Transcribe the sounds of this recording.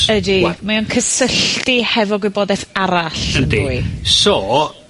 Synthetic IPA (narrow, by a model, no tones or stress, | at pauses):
ədimaɔnkʰəsəɬtihɛvɔɡwɪbɔːdɛθaɾaɬəndiisɔː